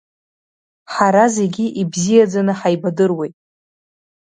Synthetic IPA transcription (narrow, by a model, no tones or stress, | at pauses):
ħaɾaze̞ɡʲiʔibzijad͡zanɨħajbadɨrwe̞jtʼ